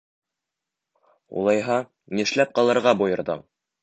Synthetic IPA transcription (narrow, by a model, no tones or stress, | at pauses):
ṵlˠɑjɦɑ | niʃlæp̚qɑlˠɤ̆ɾʁɑbujɤ̆ɾðɤ̰